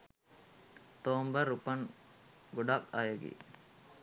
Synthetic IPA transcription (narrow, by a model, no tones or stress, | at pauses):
t̪oːmbəɾupɐŋɡoɖakajeɡḭ